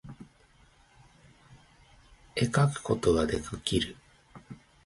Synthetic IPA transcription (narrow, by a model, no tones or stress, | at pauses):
ekakɯ̟̥ko̞t̪oɡad̪e̞kɯkʲiɾɯ